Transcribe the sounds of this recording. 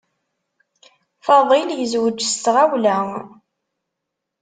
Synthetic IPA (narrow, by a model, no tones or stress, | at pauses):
fɑðˤiljəzwəd͡ʒːst̪ʁæwlæŋ